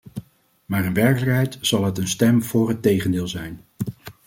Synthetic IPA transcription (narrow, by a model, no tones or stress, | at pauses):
maːɾənʋɛɹkələkɦɛjtsɑlˠɦətənstɛmv̥ʊːrɦətejχəndɪːlˠzɛjn